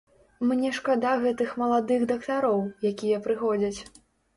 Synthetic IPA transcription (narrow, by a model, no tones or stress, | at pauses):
mnʲɛʂkad̪aɣɛt̪ɨxmɐlˠad̪ɨɣd̪ɐkt̪aɾɔwjakʲijɐpɾɨxɔd͡zʲɐt͡sʲ